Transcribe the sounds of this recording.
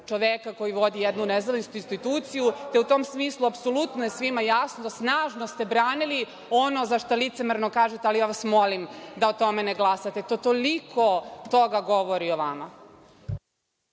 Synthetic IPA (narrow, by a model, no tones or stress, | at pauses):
t͡ʃo̞ʋekako̞jiʋo̞d̪ijed̪nunezaʋinst̪uinst̪it̪uːt̪sijut̪e̞ut̪o̞ːmsmiːslˠuapsolut̪noje̞sʋimajasnosnaːʒnost̪e̞bɾaːnili | o̞no̞zaʃt̪olit̪semeɾno̞kaːʒet̪ealijaʋasmo̞limd̪aot̪o̞me̞neɡlˠasat̪et̪ot̪olikʰo̞t̪o̞ɡaɡo̞ʋo̞ɾioʋama